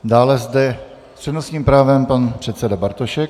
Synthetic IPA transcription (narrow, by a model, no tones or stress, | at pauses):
daːlɛzd̪ɛ | r̥ɛno̞sɲiːmpɾaːvɛmpanpr̥ɛt̪sɛdabaɾt̪oʃɛk